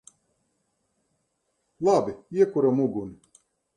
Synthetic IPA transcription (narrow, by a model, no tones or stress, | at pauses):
lˠabiiɛkuɾamuɡunɪ